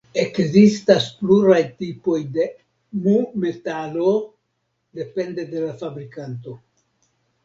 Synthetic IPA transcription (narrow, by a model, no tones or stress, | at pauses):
e̞kzistaspluɾajtipo̞jde̞ | mume̞talo̞ | de̞pe̞nde̞de̞lafabɾikanto̞